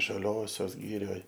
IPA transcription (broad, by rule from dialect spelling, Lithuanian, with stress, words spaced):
ʒɐˈlʲoːsʲoːs ˈɡʲɪrʲoːj